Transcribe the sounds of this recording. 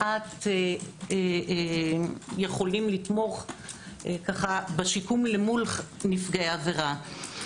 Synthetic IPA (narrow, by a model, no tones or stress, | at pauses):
ʔate | jeχo̞limlit̪mo̞χ | kaχabeʃikumlemulχ | nifɡaaveʁa